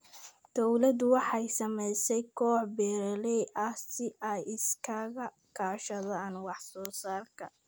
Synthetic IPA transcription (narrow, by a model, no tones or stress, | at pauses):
d̪̥ɔwlɐd̪ʊwɑħɑjsɐmɛjsɛjkʰɔːħbɛːɾɐlɛjʔɐhsɪʔɛjɪskʰɐɣɐ | kʰaːʃɐðɐnwɑħsɔːsaːrkʰɐ̰